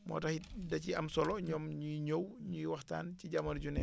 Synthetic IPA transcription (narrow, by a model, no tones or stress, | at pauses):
mɔ̰ːtɐxidɐciɐmsɔlɔɲɔːmɲuiɲowɲujiwɐxta̰ːnciɟamɐrɟunɛ